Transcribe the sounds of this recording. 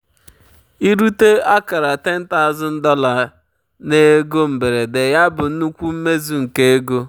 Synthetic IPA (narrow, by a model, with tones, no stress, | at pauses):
i˦ɾu˦te˦a˦ka˨ɾa˨te˦n̩˦ta˦˨zʊ˦n̩˦dɔ˦la˨ | ne˦ɡo˦m̩˨be˨ɾe˨de˨ja˦bʊ˨n̩˦u˦kʷu˦m̩˦me˦zu˨ŋ̩˨ke˦e˦ɡo˦